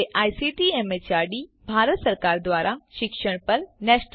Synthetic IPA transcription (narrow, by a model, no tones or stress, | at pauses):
ʔaːjsiʈieːmet͡ɕaːɾɖibʱaːɾət̪sɐɾkaːɾd̪waːɾʔaʃɪkʃəɽ̃pɐɾnɛːʃn